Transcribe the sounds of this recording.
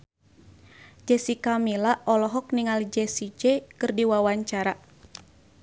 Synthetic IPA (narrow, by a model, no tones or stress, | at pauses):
d͡ʒɛsikamilaʔɔlɔɦɔk̚niŋalid͡ʒɛsid͡ʒɛkɨrdiwawaɲt͡ʃaɾa